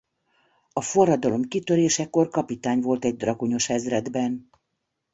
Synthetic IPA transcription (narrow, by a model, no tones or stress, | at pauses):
ɒfo̞rːɒd̪ɒlo̞mkit̪øɾeːʃɛko̞rkɒpit̪aːɲvo̞lt̪ɛɟ̚d̪rɒkuɲo̞ʃɛzrɛd̪bɛn